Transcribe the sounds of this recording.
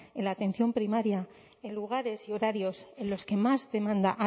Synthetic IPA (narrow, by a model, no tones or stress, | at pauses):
elaːt̪ẽ̞n̟θjo̞mpɾimaɾja | enluɣ̞aɾe̞sio̞ɾaɾjo̞se̞lo̞ske̞mazðe̞mãnd̪aʔa